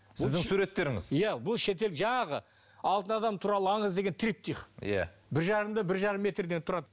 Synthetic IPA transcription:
sɪzd̪ɪŋsuɾe̞t̪ːe̞ɾɪŋɪ̰z̥jæbʊlˠʃe̞t̪̬e̞lʒɑɴɑʁə | ɑlˠt̪ənɑd̪ɑmt̪ʰuɾɑlˠəɑɴəzd̪e̞ɡʲent̪ʰɾip̚t̪ʰijχjæ̰bɪɾʒɑɾəmd̪ɑbɪɾʒɑɾəmːe̞t̪rd̪e̞nt̪ʰʊɾɑd̪ə

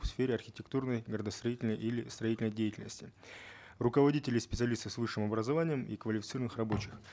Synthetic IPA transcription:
fsfʲeɾʲɪɐrxʲɪtʲɪkt̪urnəjɡəɾəd̪əst̪ɾɐitʲɪlʲnəjʔilʲɪst̪ɾɐitʲɪlʲnəjdʲejɪtʲɪlʲnəsʲtʲɪ | rʊkəvɐdʲitʲɪlʲɪspʲɪ̥t̪sɨɐlʲist̪əfsvɨʂːɨmɐbɾəzɐvanʲɪjəmḭkvəlʲɪfʲɪt̪sɨɾənɨxrɐbo̞t͡ɕɪx

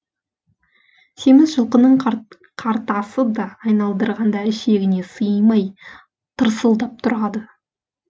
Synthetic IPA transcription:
sʰe̞mɪzʒəlˠqənəɴ | qʰɑɾt̪ɑsəd̪ɑːjnɑlˠd̪əɾʁɑnd̪ɑɪʃe̞ɡʲɪne̞səjmɑj | t̪ʰəɾsəlˠd̪ɑp̚t̪ʰʊɾɑd̪ə

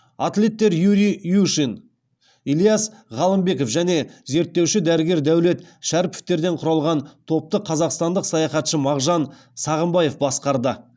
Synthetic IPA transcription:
at̪le̞t̪ːe̞ɾjuɾijuʃin | ilijɑsʁɑlˠəmbe̞ko̞fʒæne̞ze̞ɾt̪ːe̞wʃɪd̪æɾɪɡʲe̞ɾd̪æwle̞t̪ʃæɾpɪ̥ft̪e̞ɾd̪e̞ɴqʰʊɾɑlˠʁɑnt̪ʰo̞p̚t̪əqʰɑzɑqst̪ɑnd̪əqsɑjɑχɑt̪ʃəmɑʁʒɑn | sɑʁəmbɑje̞fbɑsqɑɾd̪ə

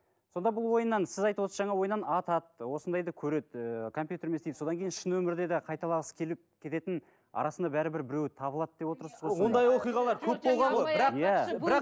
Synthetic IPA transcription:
so̞nd̪ɑbʊlˠwo̞jənːɑnsɪzɑjt̪uwosəzʒɑɴɑwo̞jənːɑnɑt̪ɑt̪̚wosənd̪ɑjd̪ɑkʲʰɵɾe̞t̪kʰo̞mpʲjut̪e̞ɾmest̪ed̪sod̪ɑŋkʲe̞jɪnʃɪnwɵmɪɾd̪e̞d̪ɪqʰɑjt̪ɑlˠɑʁəskʲʰe̞lɪp̚kʲʰe̞t̪e̞t̪ɪn | ɑ̰ɾɑsənd̪ɑbæɾɪbɪɾbɪɾe̞wt̪ʰɑbəlˠɑt̪̚d̪e̞pwot̪əɾsəzʁojond̪ɑjwo̞qijʁɑlˠɑɾkʲʰɵpbolˠʁɑnbɪɾɑjæbɾɑq

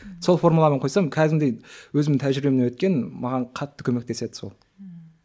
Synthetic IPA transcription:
so̞lˠfo̞ɾmulˠɑməɴqʰo̞jsɑmkʲʰæd̪ɪmd̪ejwɵzɪmɪt̪ʰæʒɪɾɪbemnewɵt̪kʲe̞nmɑʁɑɴqʰɑt̪ːə̥kʲʰɵme̞k̚t̪e̞se̞d̪ɪ̥so̞lˠ

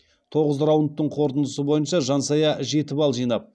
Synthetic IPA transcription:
t̪ʰo̞ʁəzɾɑwənt̪ːəɴqʰo̞ɾt̪ənd̪əsəbo̞jənʃɑʒɑnsɑjɑʒe̞t̪ɪbɑlˠʒijnɑp̚

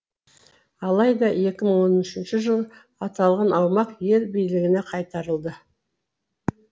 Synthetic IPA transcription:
ɑlˠɑjd̪ɑje̞kʲɪməɴwo̞nɪʃɪnʃɪʒəlˠ | ɑt̪ɑlˠʁɑnʔɑwmɑqje̞lbijlɪɡʲɪne̞qʰɑjt̪ɑɾəlˠd̪ə

